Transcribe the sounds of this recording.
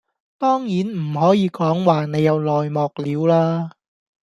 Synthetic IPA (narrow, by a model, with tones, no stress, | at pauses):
t̪ɔː˥ŋjiː˨˥nm̩˨˩ɦɔː˨˥jiː˨˧kɔː˨˥ŋwaː˨˧ne˨˧jɐ˨˧wlɔː˨jmɔː˨k̚liː˨˧wlaː˥